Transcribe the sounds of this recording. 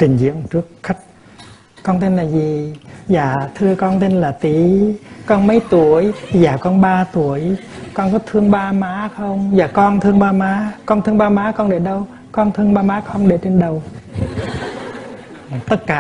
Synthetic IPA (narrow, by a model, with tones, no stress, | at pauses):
t͡ɕï˨˩ŋ̟zḭ˧˨əmt͡ɕɨ˦˥ək̚xa˦˥jk̚ | kːɔ˧nt̪e˧nlaː˨˩zi˨˩zaː˨˩t̪ʰɨ˧əkɔ˧nt̪e˧nlaː˨˩t̪i˨˦kɔ˧nmə˨˦jt̪u˨˧˩əjzaː˨˩kɔ˧nɓaː˧t̪u˨˩˦əjkɔ˧nkɔ˨˦t̪ʰɨ˧əŋɓaː˧maː˨˦xə˧wŋ͡mzaː˨˩kɔ˧nt̪ʰɨ˧əŋɓaː˧maː˨˦kɔ˧nt̪ʰɨ˧ŋɓaː˧maː˨˥kɔ˧nɗe˨˩ɗə˧w | kɔ˧nt̪ʰɨ˧əŋɓaː˧maː˨˦˥xə˧wŋ͡mɗe˨˩t͡ɕe˧nɗə˨˩w | t̪ə˦˥t̚kaː˨˧